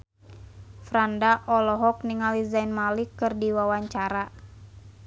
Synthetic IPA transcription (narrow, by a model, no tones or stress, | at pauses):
fɾandaʔɔlɔɦɔk̚niŋalizainmalikːɨrdiwawaɲt͡ʃaɾa